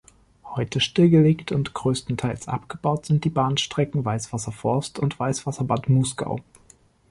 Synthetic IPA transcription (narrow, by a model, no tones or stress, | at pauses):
hɔʏtʰəʃtɪlɡəleːktʰʊntɡ̥ʁøːstn̩tʰaɪlsʔa̰pɡ̥əbaʊtz̥ɪnt̚d̥iːbaːnʃtʁ̥ɛkŋ̩vaɪsv̥asɐfɔɐstʊntv̥aɪsv̥asɐbatmɔsɡ̥a̰ʊ